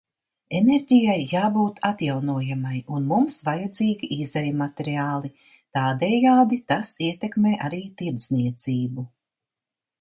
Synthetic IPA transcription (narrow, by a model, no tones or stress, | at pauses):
eneɾɟʲijajːaːbuːt̪ʰat̪jawnuɔjamajunmumsvajad̪ziːɡʲiʔizɛjumat̪eɾiaːlˠi | t̪aːd̪ɛːjaːd̪it̪asiɛt̪ekmeːʔaɾiːt̪iɾd̪z̥niɛt̪ziːbu